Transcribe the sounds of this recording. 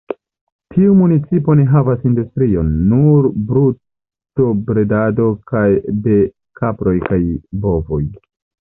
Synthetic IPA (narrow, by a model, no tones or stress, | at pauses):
tʰiumunit͡sipo̞neɦavasindustɾio̞nːuɾbɾu | tobɾe̞dado̞kajde̞ | kʰapɾo̞jkajbo̞voj